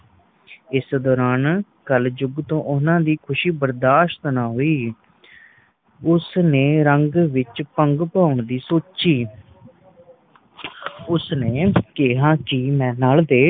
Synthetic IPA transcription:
ɪsd̪ɔːɾaːn | ɡəld͡ʒʊɡt̪õːʔʊnãːd̪iːkʰʊʃiːbəɾd̪aːʃt̪nãːɦoːiː | ʊsneːɾəŋɡʋɪt͡ʃpəŋɡpaːʊɳd̪iːsoːt͡ʃiː | ʊsneːkɪɦãːkiːmɛ̃ːnaːld̪eː

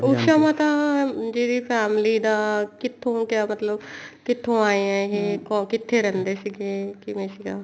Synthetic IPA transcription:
ʊʃəmãt̪ad͡ʒeːd̪iːpʰɛːmlid̪aːkɪt̪ʰːõkjaːmət̪ləbkɪt̪ʰːõaːiɛ̃ɦekɔkɪt̪ʰːeɾɛnd̪eːsiɡeːkimẽsiɡaː

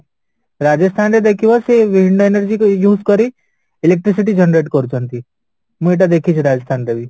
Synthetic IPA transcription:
ɾaːd͡ʒəst̪ʰaːnɾed̪ekʰiʋɐseʋiɪɳɖoenəɾd͡ʒikojuːzkəɾi | ɪleːk̚ʈɾis̬iʈ̬id͡ʒɐnɾeːʈkəɾut͡ʃɐnt̪i | mueʈ̬ad̪eːkʰit͡ʃʰiɾaːd͡ʒəst̪ʰaːnɾebi

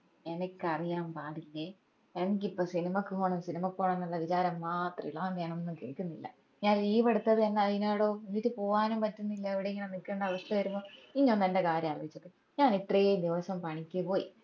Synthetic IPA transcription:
enɐkːɐrijaːmbaːt̪ikʲːiŋe | enik̬ʲːipːoːsinimɐkːɨhoːɳɐmsinimɐkːoːɳɐnːɐlːɐʋit͡ɕaːɾɐmːaːt̪rɐ̰jiɭoːnenonːumkelkʲːunːilːɐ̰ | ɲaːniːʋeɽut̪ːɐðɨenːɐɐðinaːɽo̞ːinːitːɨpo̞ːʋaːnumpɐtːunːilːɐiʋiɽeiŋːɐnenilkːeːɳɖɐɐʋɐst̪ʰɐʋɐɾumboːiɲːoːnɐndekaːɾjɐmaːlɐːit͡ɕːɐtːe | ɲaːniʈred̪iʋɐsɐmpɐɳikʲːɨpo̞ːji

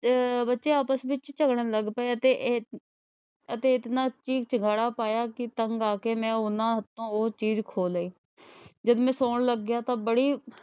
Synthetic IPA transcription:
bətːʃeːaːpəsbɪt͡ʃt͡ʃəɡɽələɡpaeːət̪eːʔ | ət̪eːɪt̪nãːt͡ʃiːk̚t͡ʃəɡaːɽaːpaːjaːkɪt̪əŋɡaːkeːmɛ̃ːʊnãːət̪ːõːoːt͡ʃiːzkʰoːlaːiː | d͡ʒəd̪mɛ̃ːsoːɳləɡːjaːt̪ãːbəɽiː

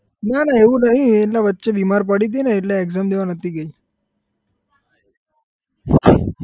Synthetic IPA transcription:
nanaɦeuːnaɦielaʋət̪ːɕebimaɾp̬əɽiːt̪̬enaeʈljaeɡzamd̪eʋanət̪iːɡeiː

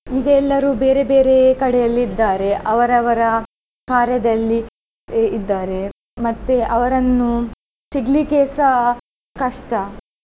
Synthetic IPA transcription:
iːɡɐɛlːɐɾuːbeːɾebeːɾe̞kɐɽɛjɐlːiːd̪ːaːɾe̞ʔɐʋɐɾɐʋɐɾɐ | kaːɾjɐd̪ɐlːi | id̪ːaːɾe̞ | mɐt̪ːeɐʋɐɾɐnːu | siɡlikeːsɐ | kɐʂʈɐ

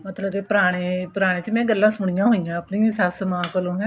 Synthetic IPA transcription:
mət̪ləbeːpɾaːɽ̃eːpʊɾaːɽ̃eːt͡ʃmɛ̃ːɡəlːãːsʊɳ̃ijãːɦoːijãːəpnĩːsaːsəmãːkəlõːɦɛ̃ː

